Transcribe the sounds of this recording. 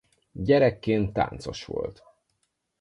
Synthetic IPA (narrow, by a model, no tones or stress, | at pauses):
ɟɛɾɛkːeːnt̪ːa̰ːnt̪so̞̰ʃʋo̞̰lt̪